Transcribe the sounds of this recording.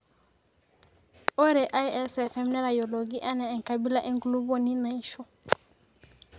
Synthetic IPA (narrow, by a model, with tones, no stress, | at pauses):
o˦ɾɛ˨ʔa˦jɛ˦sɛfɛ˦mnɛ˦ɾa˨jo˨lo˨ɡi˦ʔa˦nɛ˨ɛ˨ŋka˨bi˦la˦ʔe˦ŋɡulu˦bo˦ni˦na˨iʃo˦